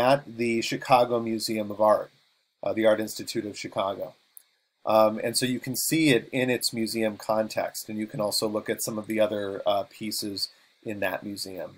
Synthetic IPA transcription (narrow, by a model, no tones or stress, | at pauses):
ət̪̚ðɨʃɨkʰɑɡoʊmjʉziɨ̃mʌvɑɹt̚ | ʔðiɑɹɾɪ̃nstɨtʰʉɾʌv̥ʃɨkʰɑɡoʊ | ʔɨ̰̃nsoʊjɨkʰn̩siɪɾɪ̃nɪtsmjʉziɨ̃mkʰɑ̃ntʰɛ̰kstɨ̃njɨkʰɨ̃nɔlˠsoʊlʊkɨtsʌ̃mʌvðiʌðə˞pʰisɪz | ʔɨ̃nðɨ̰ʔ̚mjʉziɨ̰̃m